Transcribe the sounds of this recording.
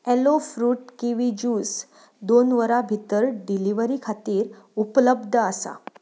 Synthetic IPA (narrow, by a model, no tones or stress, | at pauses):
elofɾuːʈkĩʋid͡ʑuːs | d̪onʋəɾabʱit̪əɾɖiliʋəɾiːkʰat̪iːɾ | upləbd̪ʱəəsa̰